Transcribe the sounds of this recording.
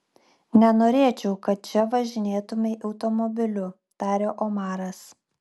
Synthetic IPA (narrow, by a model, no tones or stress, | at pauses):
nʲɛnoːɾʲeːt͡ʃʲɛʊkɐt̪̚t͡ʃʲɛʋɐʒʲɪnʲeːt̪ʊmʲeʔɐʊt̪ɔmɔbʲɪlʲʊ | t̪ɑːɾʲoːʔɔmɑːɾɐs